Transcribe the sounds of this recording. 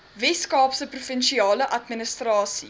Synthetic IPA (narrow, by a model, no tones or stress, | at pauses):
vɛskɑːpsəprufənʃiɑːləʔɐtmənəstrɑːsi